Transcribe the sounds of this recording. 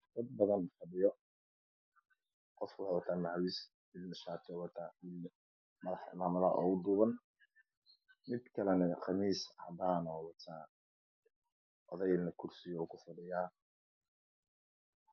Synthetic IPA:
d̪̥ɐd̪̚bɐðɐnfɐɖɪjɔ | qɔfkʰʊwʊħawɐt̪ʰaːnaʕwis | mɪd̪nɐʃaːt̪ʰɔwɑt̪ʰaːɪl | mɐðɑħɪ̰maːmɐðɐɦʔɔ̰ːʊd̪uːβɐn | mɪd̪kʰɐlɛnɛqɑmiːshɐ̰d̪aːnɔwɐt̪ʰaː | ʔɔðɛjnɐkʰʊrsɪjɔukʰʊfʊɖɪjaː

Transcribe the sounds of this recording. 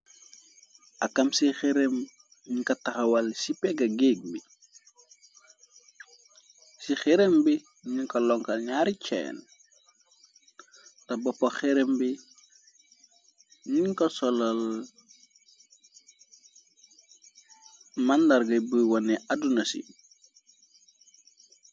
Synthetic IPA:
ʔɐkːɐmsixɛɾem | ɲiŋkɐtɐxɐwɐlsipɛɡɐɡeːɡ̚bi | sixɛɾembi | ɲiŋkɐlɔŋkɐlɲaːɾit͡ʃɛ̰ːn | tɐbɔpːɔxɛɾembi | ɲiŋkɐsɔlɐl | mɐndɐɾɡɐbuwɔnɛʔadunɐsḭ

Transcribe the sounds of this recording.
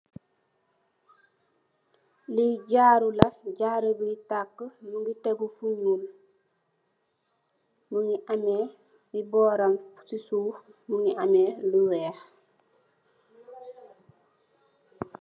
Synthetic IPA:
liɟaːɾulɐɟaːɾəbitakːəmuŋɡiteɡufunul | muŋiʔame | sibɔːɾamsisuːmuŋiameːluwɛːx

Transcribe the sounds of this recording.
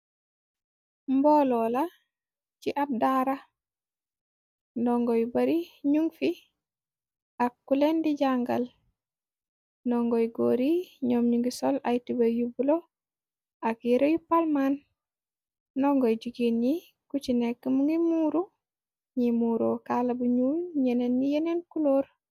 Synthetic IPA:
mbolɔla | ciʔab̚daɾa | ndɔŋɡɔjbaɾiɲuŋɡfi | akːulendiɟaŋɡa̰l | nɔŋɡɔjɡoɾiɲɔːmɲuŋɡisolajtibajubulo | akjiɾojupalman | ɔŋɡɔjɟuɡini | kut͡ʃinekːəmuŋɡimuːɾu | ɲimuːɾokalabuɲuːnɲenenːijenenkuloːɾ

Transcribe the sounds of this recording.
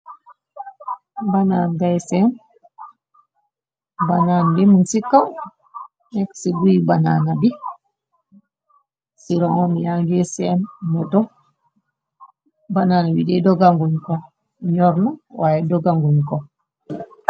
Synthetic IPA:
bananɡajsɛn | bananbimunsikːaw | nɛksiɡuibananabi | siɾɔŋɔmijaŋɡɛsɛnːɔdɔ | bananabidɛdɔɡaŋɡuɲkɔ | ɲɔɾnɔwajɛdɔɡaŋɡuɲkɔ

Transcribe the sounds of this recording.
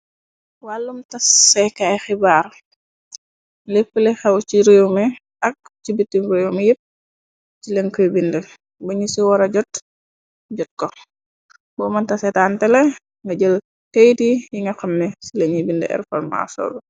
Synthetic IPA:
walːumtɐsɛkajxibaːr | lepːəlɛxɛwciɾewmɛ | ɐk̚t͡ʃibitːimɾewmjip̚ | t͡ʃileŋkəjbindɛ | bɐɲisiwɔɾɐɟɔt | ɟɔt̚kɔ | bɔːmɐntɐsɛtaːntɛlɛ | ŋɡɐɟəl | kəjdijiŋɡɐxɐmnɛsileɲibindɛ̰ʔɛ̰rfɔ̰rma̰sɔ̰ːɡɔ

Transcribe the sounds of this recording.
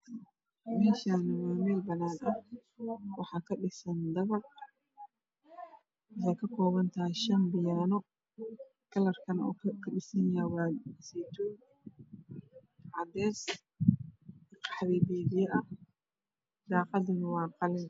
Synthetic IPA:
mɛːʃanɪwaːmɛːlbɐnaːnɐ | wɑħɑːkʰɐɗɪsɐnd̪ɐβɐr | ɪsakʰɐkʰɔːβɐnt̪ʰaʃɐnbɪjaːnɔ | kʰɐlɐrkʰɐnɔ̰ːkʰɐɗɪsɐnawɑːsiːt̪ʰuː | ʕɑd̪ɛːs | qɑ̥ħðɛːdɛːdɪjɛʔɐ | d̪ɑːqɑdɪnwɑːqɑlɪn

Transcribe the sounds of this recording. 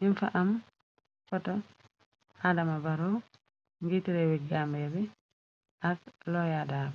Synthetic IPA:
ʔinfa̰ʔam | fɔtɔ | adamabaɾɔ | ŋɡitiɾɛwiɡambɛɾi | ʔaslɔjadaːb

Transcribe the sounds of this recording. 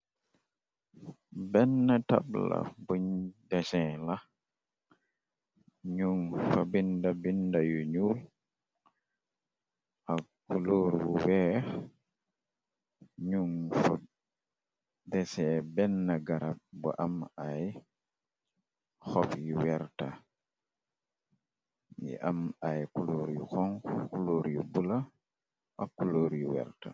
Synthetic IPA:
bɛnːata̰bla̰buɲdɛsɛ̃la | ɲuŋfabindabindajuɲul | ʔaɡuloːɾwuwɛ | ɲuŋfɔ | dɛsɛbɛnːaɡaɾab̚bɔ̰ʔamaj | xɔpjiwɛɾta | jɛ̰ʔamajkuloːɾjṵxɔŋkkuloːɾjubula | ʔakːuloːɾjuwɛ̰ɾta̰

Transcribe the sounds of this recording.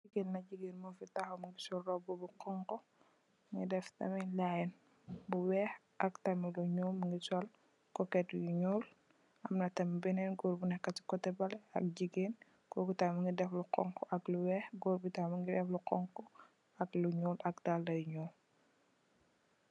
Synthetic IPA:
iɡeːnnɐɟiɡeːnmufitaxɔmɐŋɡisɔlːɔbɔbuqɔŋkɔ | ŋɡidɛftɐ̰milajɛn | buwɛːx | ʔɐktɐmiluɲuːmɐŋɡisɔl | kɔkɛtjuɲoːl | ʔɐmnɐtɐmbinɛnɡɔːɾbunɛkːɐti̥kɔtɛbɐlɛɐ̰k̚ɟiɡen | kɔɡutamuŋɡidɛfluqɔ̰ŋkɔʔɐkluwɛːxɡoːɾbutamuŋɡidɛfluqɔŋkɔ | ɐkluɲuːlʔɐk̚daldɐjuɲuː

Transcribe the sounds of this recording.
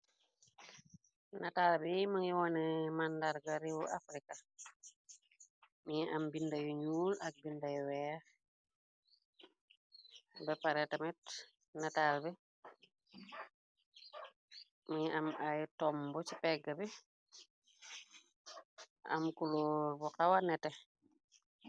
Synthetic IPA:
nataːlbɛjimaŋiwɔnɛmandaɾɡaɾiwuʔa̰fɾika | miɲɛʔambindajuɲuːlɐk̚bindajɔwɛːx | bɛpaɾɛtamɛt | natalbi | miɲiʔamajtɔmbɔt͡ʃipɛɡːabi | ʔa̰mkulobuqawanɛtɛ

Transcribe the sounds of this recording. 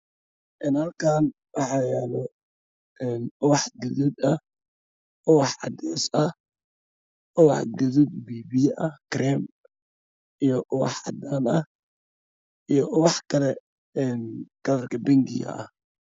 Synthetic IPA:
ʔɛnhɐlkʰaːn | wɑħɑjɛːlɛ | ɛnʊwɑħɡʊðuːd̪ɐh | ʔʊwɑħʕɑ̰d̪ɛːsɐh | ʔʊwɑħɡɐðuːd̪biːbijʔɐkɾɛm | ʔijɞʔʊwɑ̰ħʕɑ̰d̪aːnɐh | ʔijʔʊwɑħkʰɐlɛ | ɛnkɐðɐrkʰɐbɪŋɡɪjɐ̰ʔɐ̰h

